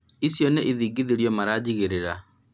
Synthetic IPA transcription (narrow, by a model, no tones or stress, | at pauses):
isjɔneʔiðiːɡiðiɾjɔmaɾad͡ʑiɣeɾeɾa